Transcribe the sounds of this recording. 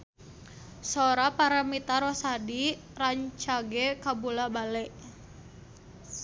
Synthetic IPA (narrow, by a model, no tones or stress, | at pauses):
sɔɾapaɾamit̪aɾɔsadi | raɲt͡ʃaɡɛkabulabalɛʔ